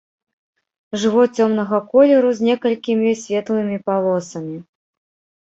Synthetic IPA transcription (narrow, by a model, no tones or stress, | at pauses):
ʐɨvɔt͡sʲɔmnɐɣɐkɔlʲɛɾuzʲnʲɛkɐlʲkʲimʲisʲvʲɛt̪lˠɨmʲipalˠɔsɐmʲi